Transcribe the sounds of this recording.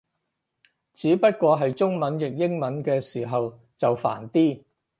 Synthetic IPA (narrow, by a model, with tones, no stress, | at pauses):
t͡siː˨˥pɐ˥t̚kʷɔː˧ɦɐ˨jt͡ʃʊ˥ŋmɐ˨˥njɪ˨k̚jɪ˥ŋmɐ˨˥nkɛː˧siː˨˩ɦɐ˨w | t͡sɐ˨wfa̰ː˨˩nt̪iː˥